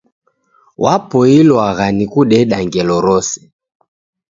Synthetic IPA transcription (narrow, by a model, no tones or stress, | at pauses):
wapɔilwaɣanikuɗɛɗaŋɡɛlɔɾɔsɛ̥